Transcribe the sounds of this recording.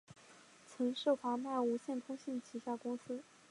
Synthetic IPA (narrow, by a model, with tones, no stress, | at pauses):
t͡sʰɤ˧˥ŋʂo˥˩fa˧˥ma˥˩ɪu˧˥ɕjɛ˥˩nt̪ʰʊ˥ŋɕi˥˩nt͡ɕʰi˧˥ɕa˥kʊ˥ŋsɹ̩˥